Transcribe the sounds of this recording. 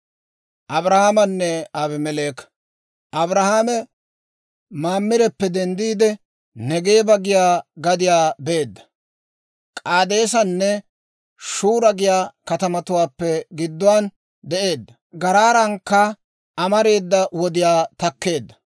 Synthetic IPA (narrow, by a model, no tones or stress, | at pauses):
ʔɐbɾɐhaːmɐnːɛabɪmɛleːk | ʔɐbɾɐhaːmɛ | maːmːɪɾɛpːɛd̪ɛnd̪iːd̪ɛ | nɛɡe̞ːbɐɡɪjaːɡɐd̪ɪjaːbe̞ːd̪ːɐ̥ | kʼaːd̪e̞ːsɐnːɛ | ʃuːɾɐɡɪjaːkɐt̪ɐmɐt̪ʊwaːpːɛɡɪd̪ːʊwaːn | d̪ɛʔe̞ːd̪ːɐ | ɡɐɾaːɾɐŋkːɐ | ɐmɐɾe̞ːd̪ːɐwɔd̪ɪjaːt̪ɐkːe̞ːd̪ːɐ̥